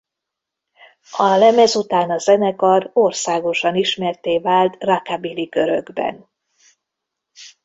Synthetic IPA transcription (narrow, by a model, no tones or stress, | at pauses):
ɒlɛmɛzut̪aːnɒzɛnɛkɒrorsaːɡo̞ʃɒniʃmɛrt̪eːvaːlt̪rɒkabilikø̞ɾøɡbɛ̰n